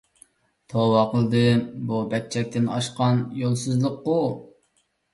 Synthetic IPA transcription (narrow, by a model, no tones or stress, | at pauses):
t̪ʰowɑqʰəlˠd̪ɨbubɛk̚ʲt͡ʃʰɛk̚ʲt̪ɪnɑ̰ʃqɑnjolˠsɨzlˠəqːu